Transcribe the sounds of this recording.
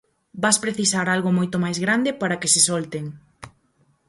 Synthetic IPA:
baspɾeθisaɾalɣomojt̪omajzɣɾand̪epaɾakesesɔlt̪eŋ

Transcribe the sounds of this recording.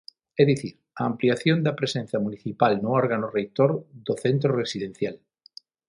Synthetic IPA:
eðiθiɾ | aːmpliaθjond̪apɾesenθjamuniθipalnuoɾɣanorek̚t̪oɾðoθent̪ɾoresiðẽn̟θjal

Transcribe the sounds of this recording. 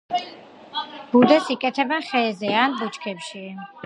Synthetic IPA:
b̥ud̪ɛsikʼɛt̪ʰɛbɛnχɛːzɛanbut͡ʃkʰɛpʃi

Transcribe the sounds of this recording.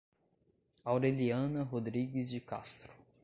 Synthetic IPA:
awɾeliɐ̃nɐɦod̪ɾiɡɪzd͡ʒɪka̰st̪ɾʊ̥

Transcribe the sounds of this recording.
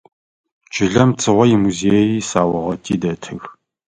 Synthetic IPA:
t͡ʃʼɪɮɐmt͡sʼɨʁʷɔjɪmuzeːjiːsaːwɐʁɐtʼḭːdɐtʰɨx

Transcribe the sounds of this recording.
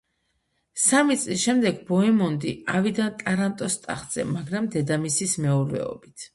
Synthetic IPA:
samit̪sʼlisʃɛmd̪ɛɡbɔɛmɔnd̪iavid̪ant̪ʼaɾant̪ʼɔst̪ʼa̰χd̪z̥ɛ̰maɡɾamd̪ɛd̪amisismɛuɾvɛ̰ɔ̰bit̪ʰ

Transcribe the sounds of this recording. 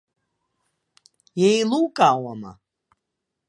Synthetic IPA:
jɛilˠuːkʼaːwama̰

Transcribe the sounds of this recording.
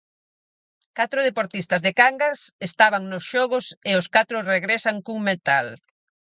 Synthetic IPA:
kat̪ɾʊð̞epoɾt̪ist̪azðekaŋɡasest̪aβaŋnosʃɔɣʊseoskat̪ɾʊreɣɾesaŋkuŋmet̪al

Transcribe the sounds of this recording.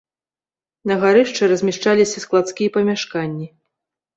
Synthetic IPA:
nɐɣaɾɨʂt͡ʂɛɾɐzʲmʲaʂt͡ʂalʲisʲɐsklˠat̪skʲijɐpɐmʲaʂkanʲːi

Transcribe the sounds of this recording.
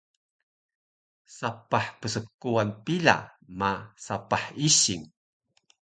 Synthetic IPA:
sapaħpəsəkːuanpila̰masapaħiɕiŋ

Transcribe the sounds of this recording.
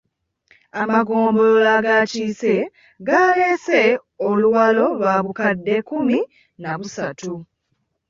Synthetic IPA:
amaɡo̞ːmbololaɡaːciːse̞ | ɡaːle̞ːse̞ | oluwalo̞βaːβukadːe̞kumi | naβusatu

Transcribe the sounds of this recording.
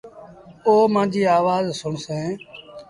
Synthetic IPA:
oːmãːd͡ʒiːaːʋaːzsʊɳsẽː

